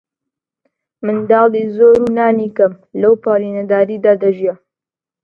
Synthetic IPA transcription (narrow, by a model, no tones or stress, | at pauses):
mɨnd̪ɑːliːzoːɾunaːnikɐm | lɐwpaɾiːnɐd̪aːɾiːd̪aːd̪ɐʒijɛ